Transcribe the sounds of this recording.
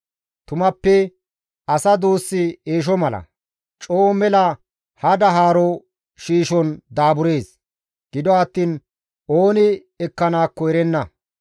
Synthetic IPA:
t̪ʊmɐpːɛ | ɐsɐd̪uːsːɪeːʃ̬ɔmɐlɐ̰ | t͡ʃʼoːmɛlɐ | hɐd̪ɐɦaːɾɔ | ʃiːʃɔnd̪aːbʊɾe̞ːs | ɡ̥ɪd̪ɔɐt̪ːiːn | oːnɪ | ɛkːɐnaːkːɔjɾɛnːɐ

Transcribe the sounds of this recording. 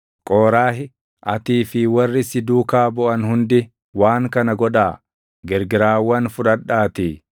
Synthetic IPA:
kʼoːɾaːɦɪ | ʔɐt̪iːfɪwɐrːɪsɪd̪uːkaːbɔʔɐnhʊnd̪ɪ | waːŋkɐnɐɡɔᶑaː | ɡɛɾɡɪɾaːwːɐnfʊᶑɐᶑaːt̪ɪ

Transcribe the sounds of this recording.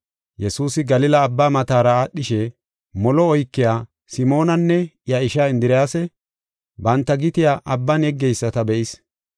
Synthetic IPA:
jɛsuːsɪɡɐlɪlɐːbːaːmɐt̪aːɾɐaːɗːɪʃɛ | mɔlɔːjkːɪjaː | sɪmo̞ːnɐnːɛɪjɐɪʃaːɪnd̪ɪɾɪjaːsɛ | bɐnt̪ːɐɡɪt̪ɪjaːʔɐbːanɛɡːɛjsːɐt̪ɐbɛʔɪs

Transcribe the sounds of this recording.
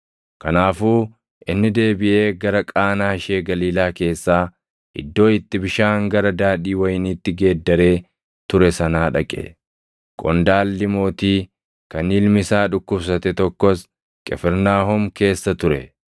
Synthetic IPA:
kɐnaːfuː | ʔɪnːɪd̪e̞ːbɪʔe̞ːɡɐɾɐkʼaːnaːʃe̞ːɡɐliːlaːke̞ːsːaː | ʔɪ̰d̪ːo̞ːɪt̪ːɪbɪʃaːŋɡɐɾɐd̪aːᶑiːwɐjniːt̪ːɪɡe̞ːd̪ːɐɾe̞ː | t̪ʊɾɛsɐnaːᶑɐkʼɛ̰ | kʼɔnd̪aːlːɪmo̞ːt̪iː | kɐniːlmɪsaːᶑʊkːʊbs̬ɐt̪ɛt̪ɔkːɔs | kʼɛfɛɾnaːɦɔmke̞ːsːɐt̪ʊɾɛ̰

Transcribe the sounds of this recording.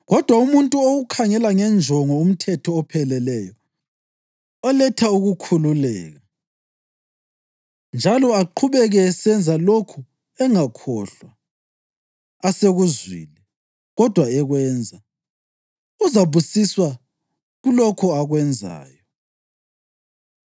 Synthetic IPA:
ɣɔd̥ʱwaumuntʼuoɣukʰaŋɛlaŋɛnd͡ʒʱɔŋɔum̩tʰɛtʰɔːpʰɛlɛlɛjɔ | ɔlɛtʰauɣukʰululɛ̰ːɣa | nd͡ʒʱalɔaǃʰuβɛɣɛːsɛnd͡zʱalokʰu | ɛŋakʰɔɬwa | aseɣuzwḭli | ɣɔd̥ʱwaɛɣwɛnd͡zʱa | uzaβusiswa | ɣulɔkʰɔaɣwɛnd͡zʱa̰ːjɔ

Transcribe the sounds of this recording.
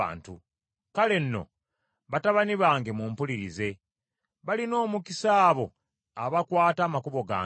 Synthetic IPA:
a̰ːntu | kale̞nːo̞̰ | βataβaniβaːŋɡe̞muːmpuliɾize̞ | βalino̞ːmukisaːβo̞ | aβakwaːtaːmakuβo̞ɡa̰ː

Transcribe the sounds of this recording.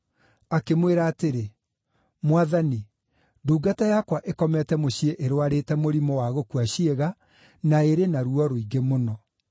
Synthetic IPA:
akemweɾaːteɾe | mwaðani | duːɡatajakwaʔekɔmɛtɛmoɕieʔeɾwaɾetɛmoɾimɔwaɣokuaɕieɣa | naeɾenaɾuɔɾoiɡemonɔ

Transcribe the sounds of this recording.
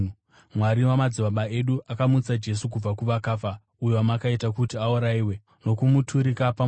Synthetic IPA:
mwaɾiwamad͡ziʋaɓae̞ɗuʔakamut͡sad͡ʒe̞suk̬ub͡vakuʋakaːfa | ujoamakaitakutiauɾaiːwe̞ | no̞kumutʰuɾikapa

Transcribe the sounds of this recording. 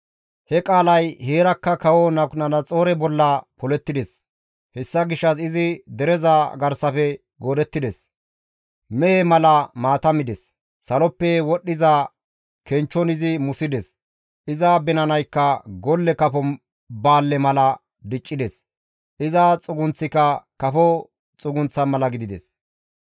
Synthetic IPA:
hɛkʼaːlɐjheːɾɐkːɐkɐwɔnɐnɐnɐt͡sʼo̞ːɾɛbɔlːɐpɔlɛt̪ːɪd̪ɛs | hɛsːɐɡɪʃːɐsɪzɪd̪ɛɾɛzaɡɐɾsɐfɛ | ɡoːd̪ɛt̪ːɪd̪ɛs | mɛhɛmɐlɐmaːt̪ɐmɪd̪ɛsː | ɐlɔpːɛwɔɗːɪza | kɛnt͡ʃːɔnɪzɪmʊsɪd̪ɛs | ʔɪzɐbɛnɐnɐjkːɐɡɔlːɛkɐfɔ | baːlːɛmɐlɐ | d̪ɪt͡ʃʼːɪd̪ɛs | ʔɪzɐt͡sʼʊɡʊnt͡sːɪkɐkɐfɔ | t͡sʼʊɡʊnt͡sːɐnmɐlɐɡɪd̪ɪd̪ɛs

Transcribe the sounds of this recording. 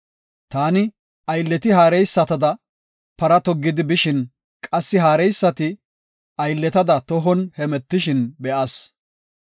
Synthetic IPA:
t̪aːnɪ | ɐjlːɛt̪ɪɦaːɾɛjsːɐt̪ɐd̪ɐ | pɐɾɐt̪ɔɡːɪd̪ɪbɪʃɪn | kʼɐsːɪɦaːɾɛjsːɐt̪ɪ | ɐjlːɛt̪ɐd̪ɐt̪ɔɦɔnhɛmɛt̪ːɪʃɪnbɛʔɐs

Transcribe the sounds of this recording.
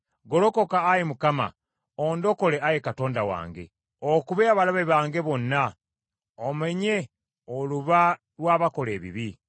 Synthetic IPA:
ɡo̞ɾo̞kokaːjemukama̰ | oːndo̞ko̞le̞ʔajekato̞ːndawa̰ːŋɡe̞̰ | okuβeaβalaβeβaːŋɡe̞βo̞nːa | omeɲe̞ | oluβa | ɾwaːβako̞le̞ːβḭβi

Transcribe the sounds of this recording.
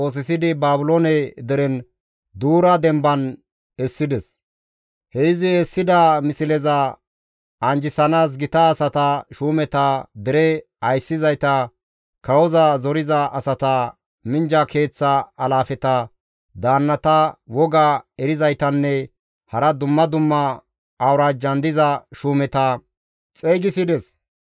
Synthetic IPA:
o̞ːs̬ɪsɪd̪ɪbaːbʊlonɛd̪ɛɾɛn | d̪uːɾɐd̪ɛmbɐn | ɛsːɪd̪ɛs | hɛɪzɪɛsːɪd̪ɐmɪsɪlɛzɐ | ɐnd͡ʒɪsɐnaːs̬ɡɪt̪ɐːsɐt̪ɐʃuːmɛt̪ɐd̪ɛɾɛ | ɐjsːɪzɐjt̪ɐ | kɐwɔzɐzɔɾɪzɐʔɐsɐt̪ɐ | mɪnd͡ʒɐke̞ːt͡sːɐːlaːfɛt̪ɐ | d̪aːnːɐt̪ɐwɔɡaɛɾɪzɐjt̪ɐnːɛ | hɐɾɐd̪ʊmːɐd̪ʊmːɐː | wɾaːd͡ʒɐnd̪ɪzɐʃuːmɛt̪ɐ | t͡sʼeːɡɪsɪd̪ɛs

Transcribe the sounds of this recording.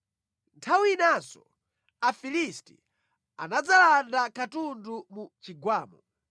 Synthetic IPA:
ntʰawinasɔ̰ | afilistḭ | a̰nad͡zalandakatundumut͡ʃiɡwaːmɔ

